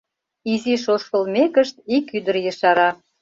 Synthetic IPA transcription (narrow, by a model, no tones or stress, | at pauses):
iziʃoʃkəlmekəʃt̪̚ikyd̪ərjəʃɑɾɑ